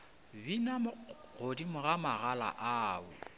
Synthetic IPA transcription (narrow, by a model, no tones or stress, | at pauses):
binamʊɣodimʊɣamaɣala̰ʔaʊ̰